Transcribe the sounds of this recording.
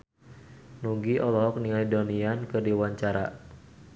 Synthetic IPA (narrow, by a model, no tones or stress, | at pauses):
nuɡiʔɔlɔɦɔk̚niŋajdɔniankɨrdiwaɲt͡ʃaɾa̰